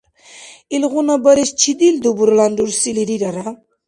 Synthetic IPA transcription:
ilɣunabɐɾest͡ʃʰid̪ild̪ubuɾlanduɾsiliɾiɾaɾa

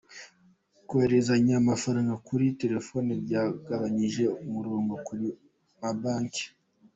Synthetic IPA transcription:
koheɾezaɲamafaɾaːŋɡakuɾite̞ɾe̞fo̞nebɟaːɡaβaɲiʒe̞umuɾoːŋɡokuɾi | mabaːŋke̥

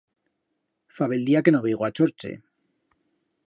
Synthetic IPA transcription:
faβeld̪iake̞noβeiɣoat͡ʃo̞ɾt͡ʃḛ

